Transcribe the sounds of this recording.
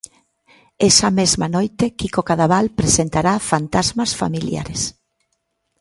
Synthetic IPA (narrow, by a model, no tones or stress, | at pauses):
ɛsamezmanojt̪ekikokaðaβalpɾesent̪aɾafant̪azmɐsfa̰milja̰ɾes